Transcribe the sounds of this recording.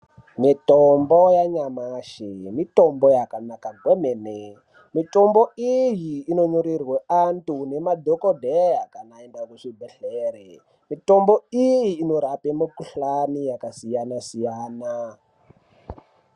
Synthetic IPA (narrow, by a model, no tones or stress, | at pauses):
mitombojaɲamaʃimitombojakanakaɡʱwemene | mitomboijiːnoɲoɾirweantunemadʱokodʱejakanaendakuʂibʱeɬeːɾe | mitomboijiːnoɾapemikuɬanijakasijanasijaːna